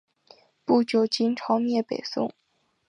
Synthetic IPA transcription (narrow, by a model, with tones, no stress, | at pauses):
pu˥˩t͡ɕjo˨˩ʊt͡ɕi˥nʈ͡ʂʰɑ˧˥ʊmjɛ˥˩pe˨˩ɪsʊ̰˥˩ŋ